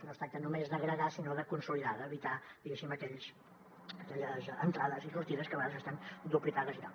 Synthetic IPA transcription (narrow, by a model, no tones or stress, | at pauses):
nost̪ɾak̚t̪ənumezðəɣɾəɣasinoðəkunsuliðaðəːβit̪ad̪iɣesiməkɛʎs | əkɛʎəzənt̪ɾaðəzirurt̪iðəskəβəɣaðəzəst̪and̪uplip̪arəzit̪a